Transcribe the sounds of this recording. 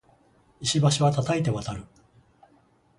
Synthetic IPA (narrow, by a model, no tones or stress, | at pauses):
iɕibaɕiβat̪at̪aet̪e̞βat̪aɾɯ̟